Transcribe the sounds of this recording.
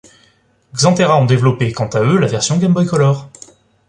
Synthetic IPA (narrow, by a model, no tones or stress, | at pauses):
ɡzɑ̃t̪eʁaɔ̃d̪evlɔpekɑ̃t̪aølavɛʁsjɔ̃ɡʲɛmbɔjkɔlɔʁ